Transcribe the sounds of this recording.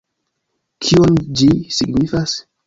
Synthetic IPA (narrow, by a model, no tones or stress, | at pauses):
kʰiond͡ʒisiɡnifas